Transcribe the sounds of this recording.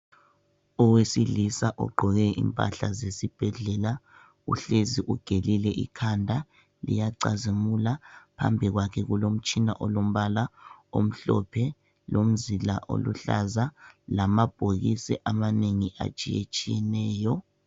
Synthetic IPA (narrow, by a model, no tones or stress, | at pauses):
ɔwesilisaʔɔ̰ɡ͡ǃʱɔɣɛḭmpʼa̰ɬazesib̥ʱɛɮɛla | ṵɬeziʔuɡ̥ʱelilɛʔḭkʰandʱa | lḭjaǀazemulapʰa̰mbʱiɣwakʰɛɣulom̩t͡ʃʼina̰ʔolom̩βalao̰m̩ɬɔ̰pʰɛ | lʔom̩zilaʔo̰lṵɬa̰zalamab̥ʱoɣisɛ̰ʔamaneŋiʔa̰t͡ʃʼijḛt͡ʃʼijɛnɛːjɔ